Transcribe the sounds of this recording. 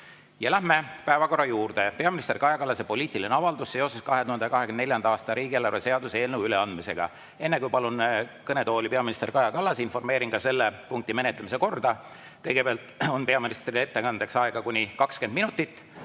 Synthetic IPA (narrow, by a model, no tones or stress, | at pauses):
jɑlæɦme̞pæevɑko̞rːɑjuːrd̪̥e̞pe̞ɑminist̪kɑjɑkɑlːɑsepo̞liːt̪ˑilineɑvɑld̪usːeose̞skɑɦed̪uhɑnd̪ɑkɑɦe̞kymnd̪nljɑnd̪ɑɑːst̪ɑɾiːɡ̥ielɑɾvese̞ɑd̪useeːlnewyleɑnd̪mise̞ɡ̥ɑ̰ | e̞nːe̞kujpɑlunkɤne̞t̪o̞ːlipe̞ɑminist̪e̞rkɑjɑkɑlːɑsinfo̞rmeːɾinkɑse̞lːepuŋk̚t̪ime̞net̪lemis̬e̞ko̞rd̪ɑ | kɤjɡ̥e̞peɑlt̪ˑo̞npe̞ɑminist̪riet̪ːe̞kɑnd̪̥eksɑeɡ̥ɑkunʲikɑkske̞nd̪minut̪ːˑit̪ːˑ